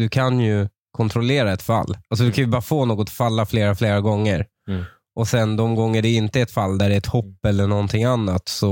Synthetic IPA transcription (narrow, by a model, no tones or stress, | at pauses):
d̪ɵkʰanjɵ | kʰɔnt̪ʰɾɔleːɾaɛt̪fa̰lːalsɔd̪ɵkʰanjɵbɑːɾafoːnoːɡɔt̪falːafleːɾafleːɾaɡɔŋːəɾ | ʔɔsɛnd̪ɔmɡɔŋːəɖɛɪnt̪əɛt̪falːd̪æɖɛɛt̪hɔpːɛlːəɳɔnt̪ʰɪŋːanːat̪sɔ